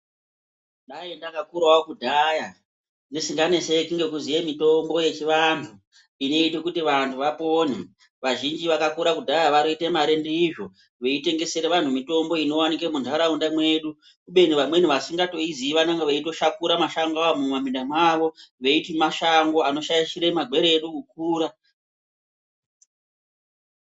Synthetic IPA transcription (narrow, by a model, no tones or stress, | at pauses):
dajendakakurwawokudʱaja | ndisiŋɡanese̞kiŋɡe̞kuzijemito̞mbo̞je̞t͡ʃiʋantʰu | ino̞itekutiʋantʰuʋapo̞ne | ʋaʒind͡ʒiʋakakuɾakudʱajaʋanoitemaɾe̞ndeiʐo̞ | ʋe̞ite̞ŋɡe̞se̞ɾeʋantʰumito̞mbo̞ino̞wanikemuntaɾaundamwe̞ɗu | kuɓe̞n̤iʋamwe̞niʋasiŋɡato̞iziʋanaŋɡeʋeito̞ʃakuɾamaʃaŋɡamumamindamwaːʋo̞ʋe̞itimaʃaŋɡo̞ano̞ʃajiʃiɾemaɡʱwe̞ɾeːɗukuk̚uːɾa